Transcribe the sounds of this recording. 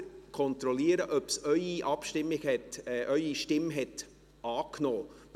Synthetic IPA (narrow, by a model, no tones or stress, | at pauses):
kʰɔnt̪ɾɔliːəɾəʔœpsœʏiʔɑpʃtɪmːɪɡɛtːʔœʏiʃtɪmɦɛt | ʔɑːkno̥ː